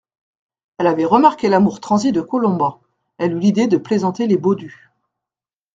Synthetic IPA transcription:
ɛlavɛʁəmaʁkʲelamuʁt̪χɑ̃zid̪əkɔlɔ̃bɑ̃ | ɛlylid̪ed̪əplezɑ̃t̪elebod̪y

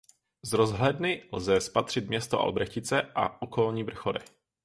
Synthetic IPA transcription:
zɾozɦlɛdnɪlzɛspat̪r̝̥ɪt̪̚mɲɛst̪oʔa̰lbɾɛxcɪt͡sɛʔa̰ʔokolɲiːvr̩xoɾɛ

